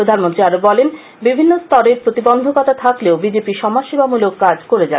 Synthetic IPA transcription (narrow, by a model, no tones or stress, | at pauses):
ɾod̪ʱanmont̪ɾiaɾobɔlen | bibʱinːost̪ɔɾeɾpɾot̪ibɔnd̪ʱokɔt̪at̪ʰakleobid͡ʑepiʃɔmaʃibamulokːad͡ʑkoɾed͡ʑa̰